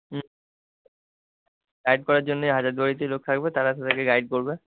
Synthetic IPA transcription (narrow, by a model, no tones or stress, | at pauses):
ɡajɖ̚kɔɾaɾd͡ʑonːeɦad͡ʑad̪aɾit̪elok̚t̪ʰak̚bet̪aɾat̪ad̪akeɡajɖ̚koɾbe